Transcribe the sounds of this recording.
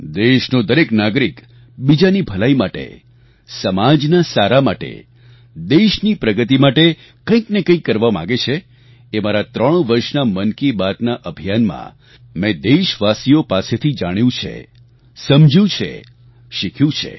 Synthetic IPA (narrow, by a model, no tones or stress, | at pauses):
d̪eʃnod̪əɾeknaɡɾik | bid͡ʒanibʱəlaimaʈḛ | səmad͡ʒnasaɾamaʈḛ | d̪eʃnipɾəɡət̪imaʈe | kə̃ĩknekə̃ĩkːəɾʋamã̰ɡet͡ʃʰe | emaɾat̪ɾəɽ̃ũʋəɾʃnamənkibat̪naʔəbʱijanmã̰ | mɛ̃d̪eʃʋasiopaset̪ʰid͡ʒaɽ̃jũt͡ʃʰḛ | səmd͡ʒjũt͡ʃʰḛ | ʃikʰjũt͡ʃʰḛ